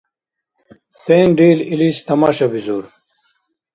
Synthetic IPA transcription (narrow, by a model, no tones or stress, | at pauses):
seːnɖiːliliːst̪ɐmaːɕɐbizuːɾ